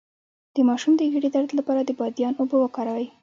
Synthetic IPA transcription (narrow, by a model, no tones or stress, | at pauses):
d̪̥əmɑʃumd̪əɣiɽid̪aɾd̪lapɑɾad̪əbɑd̪jɑnobowəkɑɾawaj